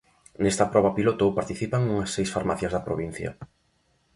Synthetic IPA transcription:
nest̪ɐpɾɔβɐpilot̪owpaɾt̪iθipaŋuŋɐsːejsfaɾmaθjazðɐpɾo̰βin̟θjɐ̰

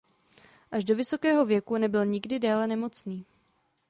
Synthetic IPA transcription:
ʔaʒdo̞vɪso̞kɛːɦo̞vjɛkunɛbɪlɲɪɡdɪdɛːlɛnɛmo̞t͡sniː

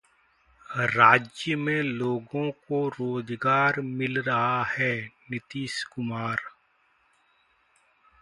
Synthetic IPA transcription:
ɾaːd͡ʒjəmẽloːɡõkoɾoːzɡaːɾmɪlɾɐɦahɛːnɪt̪iːʃkʊmaːɾ

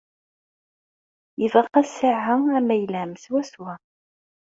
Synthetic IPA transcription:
jəvqːæsəʕːaæmæjlæmswæswæ

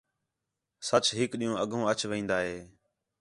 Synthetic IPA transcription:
sət͡ʃɦɪkɗĩːɦõːəɡʱõːət͡ʃʋĩːnd̪aːɦeː

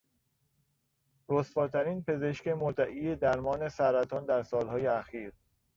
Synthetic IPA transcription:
ɾosfɒːɾt̪ʰæɾiːnpʰe̞ze̞ʃkemoɾd̪æʔiːjed̪æɾmɒːne̞sæɾæt̪ʰɒːnd̪æɾsɒːlhɒːjeæxiːɾ

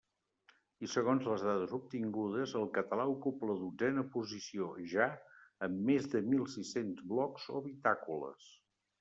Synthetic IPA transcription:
isəɣonzləzðaðəzup̚t̪iŋɡuð̞əzəlˠkət̪əlaukupləðud͡zɛnəpuzisioʒaəmːezðəmilˠsisenzβlɔkz̥o̰βit̪akulə̰s

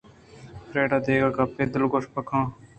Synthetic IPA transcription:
pɾeːɖaːd̪eːɡaːkaːpeːd̪ɪlɡoʂpəkʰãː

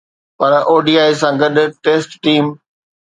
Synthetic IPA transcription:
pɐɾʔoːɖiːaːisãɡɐɗʈeːsʈʈiːm

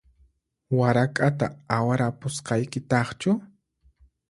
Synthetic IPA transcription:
waɾakʼat̪a̰awaɾapʊsqɑjkɪt̪ɑχt͡ʃʊ

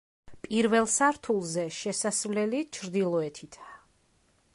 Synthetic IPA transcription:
pʼiɾvɛlˠsaɾt̪ʰulˠzɛʃɛsasvlɛlit͡ʃʰɾd̪ilˠɔɛt̪ʰit̪ʰa

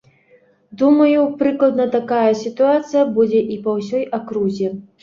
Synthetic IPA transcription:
d̪umɐjupɾɨklˠɐd̪nɐt̪akajɐsʲit̪uat̪sɨjɐbud͡zʲɛʔipɐwsʲɔjakɾuzʲɛ

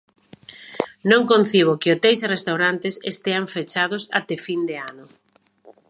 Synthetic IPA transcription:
nõŋkõn̟θiβ̞ʊkɪʊt̪ejsrest̪awɾant̪ɪsḛst̪eaɱfet͡ʃað̞ʊsa̰t̪ɛfind̪eanʊ

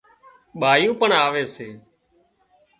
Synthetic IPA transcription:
ɓaːjũːpəɳaːʋeːseː

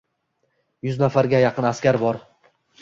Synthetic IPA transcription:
jʊznafaɾɡʲajɑqʰɨnaskʲaɾbɒɾ

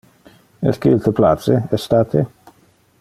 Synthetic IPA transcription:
ḛskilt̪əpla̰t̪t͡seɛst̪at̪ʰe

